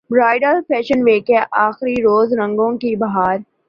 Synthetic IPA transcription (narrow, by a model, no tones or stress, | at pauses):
bɾaːɪɖəɾpʰɛːʃənʋeːkeʔaːxɾiɾoːzɾɐ̃ŋɡõkibɐɦaːɾ